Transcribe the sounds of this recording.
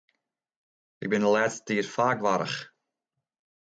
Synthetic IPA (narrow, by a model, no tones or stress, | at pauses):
ʔɪk̚bɪndəlɛːtstə̥tiərfaːkʋaɾə̰χ